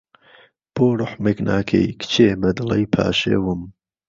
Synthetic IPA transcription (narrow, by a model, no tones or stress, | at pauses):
b̥oːɾoħmeknʔaːkʰḛjkt͡ʃʰeːmɐd̪ɨlɐjpʰa̰ːʃḛːwʊm